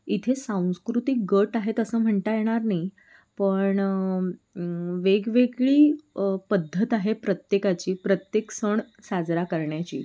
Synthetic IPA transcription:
it̪ʰesãw̃skɾut̪ik̚ɡəʈaɦet̪əsəːm̤əɳt̪ajeɽ̃aɾnai | pəɳ | ʋeɡʋeɡɭiːpəd̪ʱːət̪aɦepɾət̪jekat͡ɕiːpɾət̪jeksəɳ | sad͡zɾakəɾɳjat͡ɕḭː

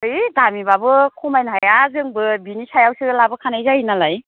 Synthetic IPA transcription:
ɯjdamibabɯkʰumajnɦajazɯŋbɯbinisajawsɯlabɯkʰanajzaɦinalaj

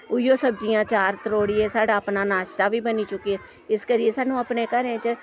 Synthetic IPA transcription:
ʊjoːsəbd͡ʒɪjãːt͡ʃaːɾt̪əɾoːɽieːsaːɖaːəpnaːnaːʃt̪aːbiːbəniːt͡ʃʊkːiɛː | ɪskəɾiesaːnũːəpneːkəɾẽːt͡ʃə

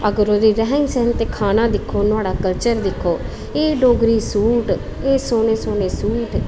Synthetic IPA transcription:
əɡəɾoːd̪iːɾɛɦŋsɛːnt̪eːkʰaːnãːd̪ɪkʰːoːnʊaːɖaːkəlt͡ʃəɾd̪ɪkʰːoː | eːɖoːɡɾiːsuːʈ | eːsoːneːsoːneːsuːʈ

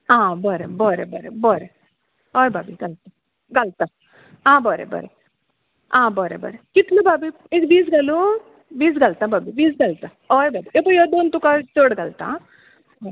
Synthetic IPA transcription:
ãːbɔɾebɔɾebɔɾḛbɔɾe | ɔjbabiɡɐlt̪ã | ɡɐlt̪a | ãːbɔɾḛbɔ̰ɾe | ãːbɔɾḛbɔ̰ɾekɪt̪lubaːbi | ekbiːsɡalu | biːs̬ɡɐlt̪ãbabibiːsɡɐlt̪ã | ɔːebaːbiʔepojɔd̪oːnt̪ukat͡ʃoːɽɡɐlt̪ã̰

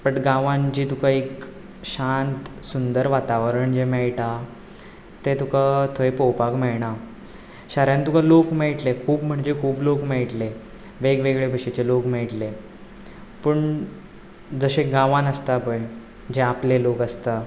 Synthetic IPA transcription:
pəʈɡãʋãnd͡ʑiːt̪ukaek | ɕant̪sund̪əɾʋat̪aʋəɾəɳd͡ʑemeɭʈa | t̪et̪ukat̪ʰəjpowpakmeɭɳa | ɕaɾjãnt̪ukalokmeɭʈlekʰuːbm̤əɳd͡ʑekʰuːblokmeɭʈle | ʋeɡʋeɡɭebʱəɕet͡ɕelokmeɭʈle | pəɳ | d͡zəɕeɡãʋãnəst̪apəj | d͡ʑeaplelokəst̪a

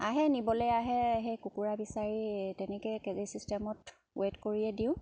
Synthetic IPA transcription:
aɦɛnibɔlɛjaɦɛɦejkukuɹabisaɹitɛnɛkɛkɛzesistɛmɔt | wetkoɹiɛdĩʊ̃

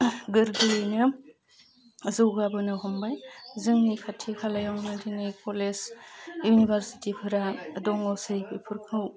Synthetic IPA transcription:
ɡɯɾdunɯ | zɯwɡabɯnɯhɔmbajzɯŋnikʰatʰːikʰalajaŋnɯdinɯjkʰolesjunibɐɾsi̥tipʰɯɾadɔŋawsɯjbipʰɯɾkʰɯw

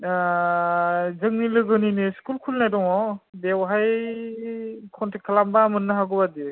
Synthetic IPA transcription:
zɯŋnilɯɡɯniniskulkʰulnajdɔŋɔbewɦaj | kʰɔntʰekʰalambamɯnːɯɦaɡubadi

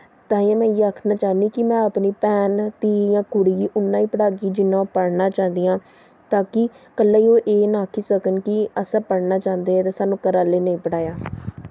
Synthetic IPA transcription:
t̪ãːĩãːmɛ̃ːiaːkʰnaːt͡ʃaːniːkɪmɛ̃ːəpniːpɛːnt̪iːjãːkʊɽiːiːʔʊnːãːiːpəɽaːɡiːd͡ʒɪnːãːpəɽnãːt͡ʃãːnd̪iːãː | t̪aːkɪkəlːaːiːoːʔeːnaːkʰiːsəkənkɪəsãːpəɽnaːt͡ʃãːnd̪eːɛːt̪eːsaːnũːkəɾaːleːnə̃ĩːpəɽaːjaː

